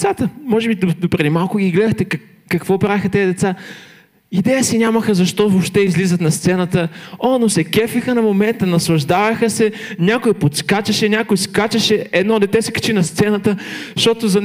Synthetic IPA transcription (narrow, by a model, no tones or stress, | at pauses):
sat̪əmɔʒɛbid̪d̪opɾilimalˠkʊɡ̟ʲiɡlɛd̪əxt̪ɛk | kɐkvɔpɾavixət̪ɛd̪ɛt̪sa | id̪ɛjəsinʲaməxəzɐʃt̪ɔvopʃt̪ɛizlizət̪nɐst̪sɛnət̪əonosɛkɛfixənɐmomɛnt̪ənɐslˠɐʒd̪avɐxəsɛnʲakʊipot̪skat͡ʃɐʃɛnʲakʊjiskat͡ʃɐʃɛɛd̪nɔd̪ɛt̪ɛsɛ̥kɐ̥t͡ʃinɐst̪sɛnət̪əʃt̪ɔt̪ozɐn